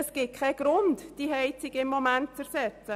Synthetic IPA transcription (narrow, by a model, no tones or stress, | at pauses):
əsɡ̥ɪt̚kʰɛɡ̥ɾʊndd̥iɦɛɪt͡sɪɡɪmːomænt̚t͡səɾsɛt͡sə